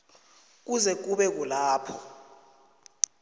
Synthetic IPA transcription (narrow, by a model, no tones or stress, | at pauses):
k̬uzɛk̬uɓɛk̬ulaːpʰɔ